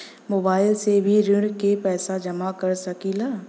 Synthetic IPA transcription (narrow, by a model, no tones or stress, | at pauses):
moːbaːɪlsebʱiɾɪɽkepɛːsad͡ʒɐmakɐɾsɐkilaː